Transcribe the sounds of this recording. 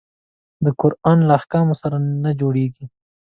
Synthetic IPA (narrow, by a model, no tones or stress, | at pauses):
d̪əkʊɾɑnlaːhkɑmosaɾanad͡ʒoɽeɡi